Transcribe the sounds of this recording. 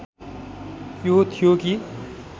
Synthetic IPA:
jot̪ʰijoki

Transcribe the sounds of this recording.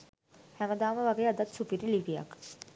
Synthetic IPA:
hæməd̪aːməʋaɡejəəd̪at̪supiɾiliʋija̰k

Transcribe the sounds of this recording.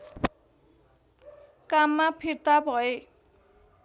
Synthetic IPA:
kamːapʰirt̪abʱʌe

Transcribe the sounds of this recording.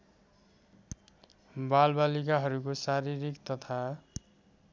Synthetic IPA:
balbalikaɦʌɾukosaɾiɾikt̪ʌt̪ʰa

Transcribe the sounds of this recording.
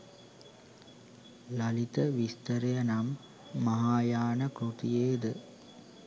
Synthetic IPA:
lɐlit̪ɐʋist̪ɐɾɐjɐnɐmː | ɐɦaːjaːnɐkɾut̪ijeːd̪ɨ

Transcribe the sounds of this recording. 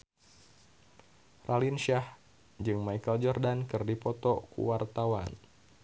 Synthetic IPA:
rʔalinʃah | d͡ʒɨŋmaikəld͡ʒɔrdankɨrdipɔt̪ɔkṵwart̪awa̰n

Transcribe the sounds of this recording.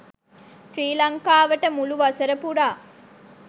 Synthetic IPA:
sɾiːlɐŋkaːʋɐʈəmuluʋɐsɐɾəpuɾaː

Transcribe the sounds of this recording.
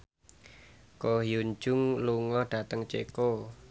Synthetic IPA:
kohijuɲd͡ʒʊŋluŋɔhɖ̥a̤t̪əŋt͡ʃḛko

